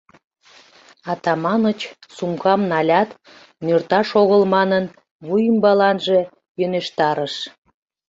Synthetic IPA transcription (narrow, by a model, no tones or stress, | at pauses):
ɑt̪ɑmɑnət͡ɕsuŋkɑmnɑlʲɑt̪ | mørt̪ɑʃoɣəlmɑnən | βujəmbɑlɑnʒe | jøneʃt̪ɑɾəʃ